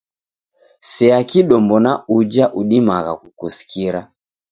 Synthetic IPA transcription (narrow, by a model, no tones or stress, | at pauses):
sɛakiɗɔmbɔnaud͡ʒaʔuɗimaɣa̰kukusi̥kiɾa